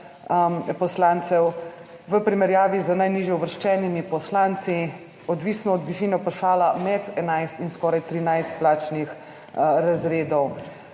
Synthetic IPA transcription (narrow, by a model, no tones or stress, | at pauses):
pɔslaːnt̪sɛw | ʋəpɾimɛɾjaːʋizənajniʒjɛuʋəɾʃt͡ʃɛːnimipɔslaːnt̪si | ɔd̪ʋiːsnɔːd̪ʋiʃiːnɛpɔʃaːlamɛt̪ɛnajst̪inskɔːɾajt̪ɾinajst̪̚plaːt͡ʃnix | ɾazɾeːd̪ɔw